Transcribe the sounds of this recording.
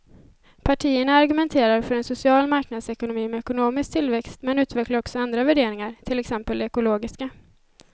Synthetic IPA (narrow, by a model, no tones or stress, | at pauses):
pʰaʈʰiːəɳaːɾɡɵmɛnt̪ʰeːɾaɾfœɾɛnsʊsɪɑːlmaɾknad̪sɛkʊnʊmiːmɛɛkʊnoːmɪskt̪ʰɪlvɛkst̪mɛnʉ̟ːt̪vɛklaɾɔksɔand̪ɾavæɖeːɾɪŋaɾt̪ʰɪlɛksɛmpəld̪ɛɛkʊloːɡɪska